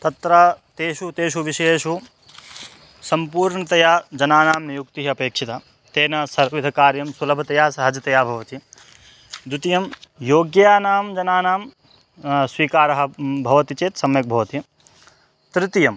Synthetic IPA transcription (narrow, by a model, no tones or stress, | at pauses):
t̪ɐt̪ɾɐːt̪eːʃut̪eːʃuʋiʃeːʃu | sɐmpuːɾɳɐt̪ɐjaːd͡ʒɐnaːnaːmnijukt̪iɦiɐpeːkʂʰit̪a | t̪eːnɐsɐɾʋid̪ʱɐkaːɾjɐmsulɐbʱɐt̪ɐjaːsɐɦɐd͡ʒɐt̪ɐjaːbʱɐʋɐt̪i | d̪ut̪ijɐmjoːɡjjaːnaːmd͡ʒɐnaːnaːm | sʋiːkaːɾɐɦɐ̆bʱɐʋɐt̪it͡ʃeːt̪sɐmjɐk̚bʱɐʋɐt̪iɐ | t̪ɾɪt̪ijɐm